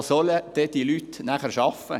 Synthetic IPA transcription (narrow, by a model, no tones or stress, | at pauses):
sɔləd̪̥eːd̪iːlyːt̪næχəɾʃɑfə̰